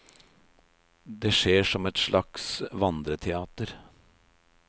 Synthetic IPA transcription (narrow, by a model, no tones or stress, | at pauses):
d̪eʂeːʂɔmɛt̪ʂlʔɑksʋɑnd̪ɾət̪ʰɛɑːt̪əɾ